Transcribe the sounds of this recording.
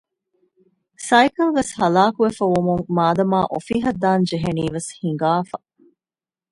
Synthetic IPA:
sɐjkɐlʋeshɐlaːkuʋefɐʋumuŋmaːd̪ɐmaːʔofiːɦɐd̪ːaːnd͡ʒeɦeniːʋeshiŋɡaːfɐ

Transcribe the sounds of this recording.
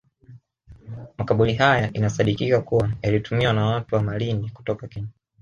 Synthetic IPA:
makaɓuliɦajaʔinasaɗikikakuwajalitumiwanawatuwamaliniku̥tɔkakɛɲa

